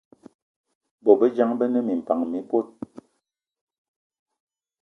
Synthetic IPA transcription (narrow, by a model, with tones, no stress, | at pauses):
bɔ˨bə˦d͡ʒa˦ŋbə˦nə˦mi˨m̩˨pa˨ŋmi˨˦po˦t̚